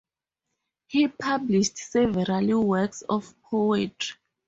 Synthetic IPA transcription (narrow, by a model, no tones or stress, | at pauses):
hipʰabliʃtsɛvɛɹaliwɛksɔfpʰoɛtʰɹi